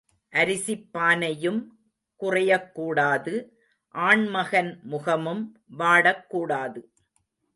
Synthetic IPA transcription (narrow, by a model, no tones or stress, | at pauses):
ʔɐɾɪsɪpːaːnɐjɯm | kʊrɐjɐkːuːɽaːðɯ | ʔaːɳmɐɣɐnmʊɣɐmɯm | ʋaːɽɐkːuːɽaːðɯ